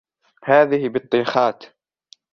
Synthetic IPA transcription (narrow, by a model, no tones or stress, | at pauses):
haːðɪhɪbɨt̪ˤːiːxɑːt̪